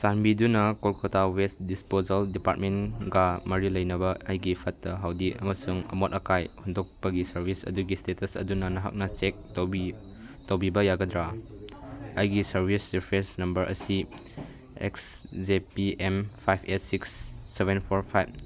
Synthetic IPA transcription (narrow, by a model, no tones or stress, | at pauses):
sanbidunɐkolkɐtawesdispozaldipaɾt̚menɡamɐɾilɐjnɐbɐʔajɡipʰɐtːɐɦawdiʔɐ̰mɐsuŋɐ̰mot̚ɐkajhundɔk̚pɐɡisɐɾbʱisɐ̰duɡistetɐsɐ̰dunɐnɐɦa̰k̚nɐt͡ʃek̚tobi | towbibɐjaɡɐdɾa | ajɡisɐɾbʱisɾipʰɾesnɐmbɐɾʔɐ̰si | ḛks | zepiempʰajpʰet̚siksːebenpʰoɾpʰajb̚